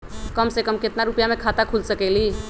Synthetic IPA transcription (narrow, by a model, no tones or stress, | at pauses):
kəmsekəmket̪naɾupjamekʰat̪akʰulsəkɛɪli